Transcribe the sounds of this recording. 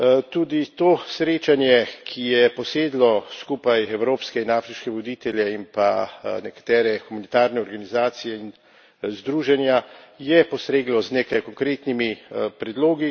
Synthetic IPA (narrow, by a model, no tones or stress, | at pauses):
t̪uːd̪it̪oːsɾeːt͡ʃanjɛkʰijɛpɔseːd̪lɔskupajɛwɾoːpskɛinaːfɾiʃkɛʋɔd̪iːt̪ɛljɛimpanɛkḁt̪ɛːɾɛxumunit̪aːɾnɛɔɾɡanizaːt̪sijɛin | zd̪ɾuːʒɛnjajɛpɔsɾeːɡlɔzneːkajkɔŋkɾeːt̪nimipɾɛd̪loːɡi